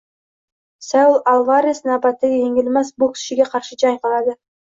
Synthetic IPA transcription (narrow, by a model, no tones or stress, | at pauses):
salˠalˠvaɾʲɪsnɑpɑt̪ːeɡʲjeŋɡilmæsbulˠkʰi̥ʃiɡʲeqʰɑɾʃɯd͡ʒɑjqɑlˠɑd̪ɯ